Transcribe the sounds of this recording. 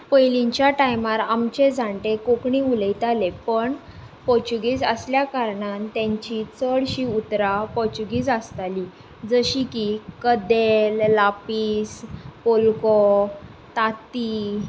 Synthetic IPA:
pəjliɲt͡ɕjaʈajmaɾamt͡ɕed͡zʱaɳʈekokɳĩuləjt̪alepəɳ | pɔɾt͡ɕuɡiːd͡zə̰sljakaɾɳant̪jãɲt͡ɕit͡səɽɕiut̪ɾapɔɾt͡ɕuɡiːd͡zəst̪ali | d͡zəɕikikəd̪elːapiːspolkɔ | t̪at̪i

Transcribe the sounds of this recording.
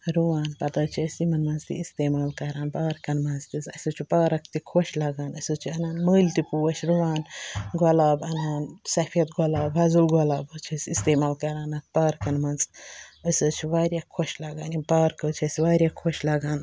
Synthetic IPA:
ɾuʋaːnpɐt̪ɐːt͡ʃʰiɐsimɐnmɐnzt̪ḭist̪eːmaːlkɐɾaːnpaːɾkɐnmɐnzt̪izɐsʲuːt͡ʃʰipaːɾɐkt̪ikʰoʃlɐɡaːnɐsuːt͡ʃʰiɐnaːnməːlt̪ipuːɐt͡ʃʰɾuʋaːnɡɔlaːbɐnaːnsɐfʰijɐt̪̚ɡɔlaːbɦɐzulɡolaːbot͡ʃʰɐsist̪eːmaːlkɐɾaːnɐt̪̚paːɾkɐnmɐnzɐsoːt͡ʃʰiʋaːɾjaːkʰːoʃlɐɡaːnipaːɾkəːt͡ʃʰiɐsiʋaːɾjaːkʰoʃlɐːɡaːn

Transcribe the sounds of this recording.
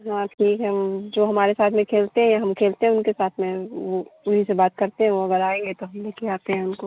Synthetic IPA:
ɦãʈʰiːkɦɛd͡ʒoːɦɐmaːɾesaːt̪ʰmẽkʰeːlt̪eɦɛ̃jaɦɐmkʰeːlt̪eɦɛ̃ʊnkesaːt̪ʰmẽʋoʊnɦisebaːt̪̚kɐɾt̪eɦɛ̃ʋoɐɡəɾaːẽːŋɡet̪oɦɐmleːkʰeaːt̪eɦɛ̃ʊnko

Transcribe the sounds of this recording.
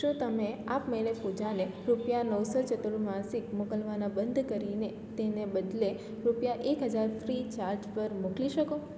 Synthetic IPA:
ʃũt̪əmeapmelepud͡ʒane | ɾupjanəwsɔt͡ʃət̪uɭumãsikmukəlʋanabənd̪ʱkəɾine | t̪enebəd̪le | ɾupjaʔekɦəd͡ʒaɾfʰɾit͡ʃaɾd͡ʒpəɾmukliʃəko

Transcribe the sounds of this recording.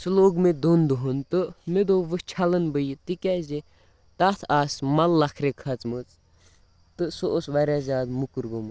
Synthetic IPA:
sɨloːɡmed̪ond̪uɦunt̪ɨmed̪oːʋɨt͡ʃʰɐlənbəjit̪ikʲɛze | t̪at̪ʰaːsmɐlːɐkʰɾekʰɐt͡smɨt͡s | t̪ɨsoʔosʋɐɾʲazʲaːd̪mukɨɾɡomɨ

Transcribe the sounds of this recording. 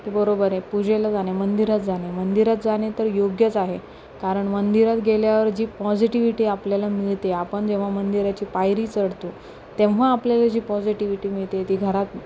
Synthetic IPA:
t̪ebəɾobəɾepud͡ʑelad͡zanemənd̪iɾat̪̚d͡zaɽ̃emənd̪iɾat̪̚d͡zaɽ̃et̪əɾjoɡjət͡saɦe | kaɾəɳmənd̪iɾat̪ɡeljaʋəɾd͡ʑiːpɔd͡ʑiʈiʋiʈiːapljalamiɭt̪eapəɳd͡ʑẽʋ̤amənd̪iɾat͡ɕiːpajɾiːt͡səɽt̪u | t̪ẽʋʋ̤aːpljalad͡ʑiːpɔd͡ʑiʈiʋiʈiːmiɭt̪et̪iːɡʱəɾat̪

